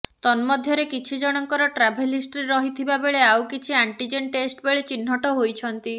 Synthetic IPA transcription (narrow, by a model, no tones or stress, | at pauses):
t̪ɔnmɔd̪ʱjɔɾekit͡ʃʰid͡ʒɔɽ̃ɔŋkɔɾɔʈɾabʱelisʈɾiɾɔɦit̪ʰibabeɭeawkit͡ʃʰiaɳʈid͡ʒenʈesʈbeɭet͡ʃinɦɔʈɔɦojt͡ʃʰɔnt̪i